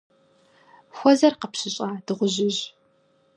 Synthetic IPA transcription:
xʷɔzɐrqəpɕɪɕʼaːd̥ɨʁʷʊʑɪʑ

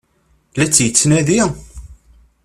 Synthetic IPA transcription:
læt͡sːjət͡sːnæði

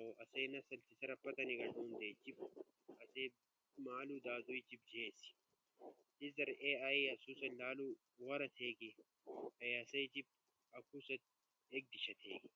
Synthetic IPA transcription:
ɐoʔɐseːnɐsɐlt̪isɐɾɐpːɐt̪ɐniɡɐlɦuːnd̪eːt͡ʃip̚ | ɐseː | maːluːd̪aːd̪uit͡ʃib̚d͡ʒeːsi̥ | t̪iɐɾeaiɐsuːsɐnlaːlu | ɣɐɾɐt̪ʰeːɡi | ɐɐsɐjt͡ʃip̚ | ɐkʰuːsɐt̪̚ | eːk̚d̪iʃɐt̪ʰḛːɡi

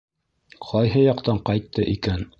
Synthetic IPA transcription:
qʰɒjɦɤjɑqt̪ɑɴqɑjt̪ːɤʔikæn

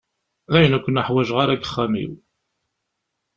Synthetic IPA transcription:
ðæjənækʷːənəħwæʒʁaɾæɡəχːæmḭw

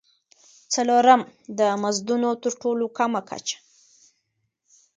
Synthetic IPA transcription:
t͡saloɾamd̪əmazd̪unot̪əɾʈolokamakʰa̰t͡ʃḁ

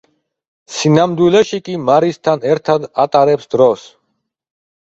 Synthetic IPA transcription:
sinamd̪wilɛʃikʼimaɾist̪ʰanɛɾt̪ʰad̪at̪ʼaɾɛpsd̪ɾɔs

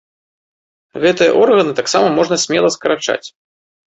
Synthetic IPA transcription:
ɣɛt̪ɨjɐ̰ʔɔrɣɐnɨt̪aksamɐmɔʐnɐsʲmʲɛlˠɐskɐɾat͡ʂa̰t͡sʲ

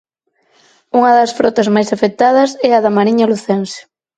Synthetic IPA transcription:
uŋɐðɐsfɾɔt̪ɐzmajsafek̚t̪að̞ɐsɛɐðɐmaɾiɲɐluθɛnsɪ̥

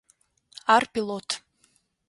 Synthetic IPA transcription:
arpilˠotʰ

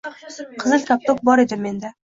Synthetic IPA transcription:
qʰɨzɨlk̪ʲʰap̚t̪ʰok̚bɒɾe̞d̪ɪmːe̞nd̪a

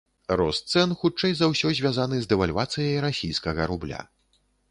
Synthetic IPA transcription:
rɔst̪sɛnxut͡ʂɛjzawsʲɔzʲvʲjazanɨzd̪ɛvalʲvat̪sɨjɐjɾasʲijskɐɣɐɾublʲa̰

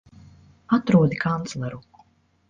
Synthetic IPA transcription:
at̪ɾuɔd̪ikʰant̪slˠaɾukːu̥

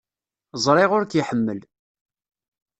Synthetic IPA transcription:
zˤɾˤɪʁʊɾkjiħəmːəl

